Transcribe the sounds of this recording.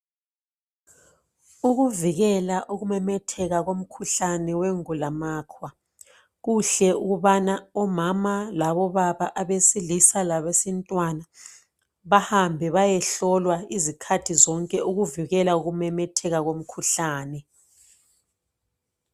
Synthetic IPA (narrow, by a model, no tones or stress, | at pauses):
uɣuviɣɛlaʔuɣumɛmɛtʰɛɣaɣom̩kʰuɬanɛweŋulamaːkʰwa | ɣuɬɛuɣuβanaɔmamalaβɔβaβaʔaβesilisalaβesintʼwana | βahambʱɛβajɛɬɔlwaizikʰatʰizɔŋkʼɛuɣuviɣɛlauɣumɛmɛtʰɛɣaɣom̩kʰuɬaːnɛ